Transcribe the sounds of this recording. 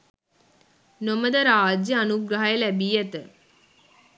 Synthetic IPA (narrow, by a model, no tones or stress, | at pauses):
noməd̪əɾaːd͡ʒjəanuɡɾəɦajəlæbiːjɛt̪ə